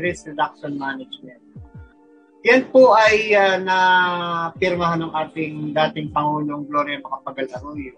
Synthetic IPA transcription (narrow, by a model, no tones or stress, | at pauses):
ɾɪsɾɛd̪ak̚ʃonmaːnɐd͡ʒmɛnt̪̚ | jɐnpoʔɐjɐnɐ | pɪɾmɐɦanɐŋʔaːt̪ɪŋd̪aːt̪ɪŋpɐŋuːlo̞ŋɡloːɾjɐmɐkɐpɐɡɐlɐɾoːjo